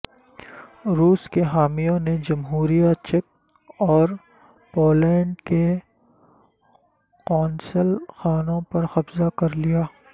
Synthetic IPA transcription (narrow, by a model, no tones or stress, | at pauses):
ɾuːskeɦaːmijõned͡ʒɐmɦuːɾijat͡ʃɛk̚ | ɔːɾ | poːlɛ̃ːɳɖke | kɔːnsəlxaːnõpɐɾxɐbzakɐɾlijaː